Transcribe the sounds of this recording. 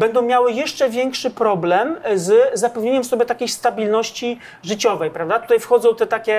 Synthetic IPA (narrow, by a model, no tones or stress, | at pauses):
bɛnd̪ɔ̃w̃mʲjawɘjɛʂt͡ʂɛvʲjɛŋkʂɘpɾɔblɛmzzapɛvɲeɲɛmsɔbʲjɛt̪akʲejst̪abʲilnɔɕt͡ɕi | ʐɘt͡ɕɔvɛjpɾavd̪at̪ut̪ajfxɔd̪zɔ̃w̃t̪ɛt̪akʲɛ